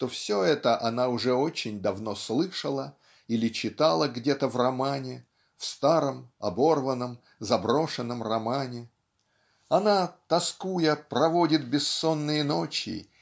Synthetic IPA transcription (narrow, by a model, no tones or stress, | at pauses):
t̪o̞fsʲoɛt̪əʔɐnaʊʐɛo̞t͡ɕɪnʲd̪ɐvno̞slˠɨʂəlˠə | ilʲɪt͡ɕɪt̪alˠəɡdʲet̪əvrɐmanʲɪ | fst̪aɾəmɐbo̞rvənːəm | zɐbɾo̞ʂɨnːəmrɐmanʲɪ | ɐnat̪ɐskujəprɐvo̞dʲɪt̪̚bʲɪsːo̞nːɨjəno̞t͡ɕɪ̰